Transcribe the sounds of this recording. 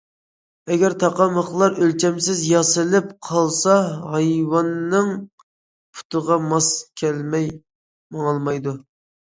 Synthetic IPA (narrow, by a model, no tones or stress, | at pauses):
ɛɡʲɛɾt̪ʰɑqɑməχlˠɑɾølt͡ʃʰɛmsɪzjɑsɨlɪp̚qʰɑlˠsɑɦɑjwɑnːɨŋ | pʰu̥t̪əʁɑmɑskʲʰɛlmɛj | mɑŋlˠmɑjd̪u